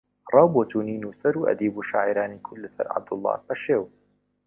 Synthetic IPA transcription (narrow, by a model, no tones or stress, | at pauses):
rˤɑːwbot͡ʃuːniːnusɐɾuːʔɐ̰d̪iːbuʃaːʕiɾaːnikʰʊd̪lɐsɐ̰ɾʕa̰b̚d̪ʊlˠˤːɑ̰ːbɐʃeːw